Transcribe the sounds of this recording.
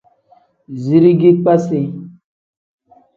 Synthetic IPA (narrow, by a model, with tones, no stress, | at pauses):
zi˨ɾi˦ɡi˦k͡pa˦se˨